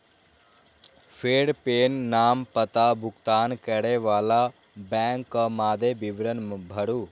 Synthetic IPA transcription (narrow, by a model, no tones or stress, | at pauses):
fʰeːɽpeːnːaːmpət̪abʱukt̪aːnkɛɽeʋaːla | bɛ̃ŋkːəmaːd̪ebiʋɾənbʱəɽu